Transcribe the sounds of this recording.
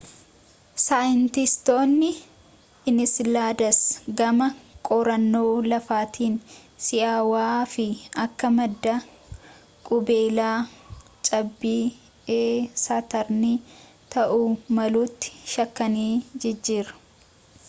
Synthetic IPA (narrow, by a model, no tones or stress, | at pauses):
saːjɪnt̪ɪst̪o̞ːnːɪː | nɪslaːd̪ɐsɡɐmɐkʼɔɾɐnːoːlɐfaːt̪ʰiːnsɪʔaːwaːfɪɐkːɐmɐd̪ːɐ | kʼʊbeːlaː | t͡ʃʼɐbːiː | eːsat̪ɐɾni | t̪ɐʔuːmɐluːt̪ːɪ̥ʃɐkːɐniːd͡ʒɛd͡ʒːiːɾɐ̥